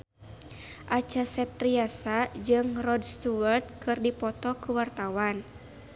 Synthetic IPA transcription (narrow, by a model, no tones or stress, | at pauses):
ʔat͡ʃasɛp̚t̪riasad͡ʒɨŋrɔdst̪uwart̪̚kɨrdipɔt̪ɔkuwart̪awan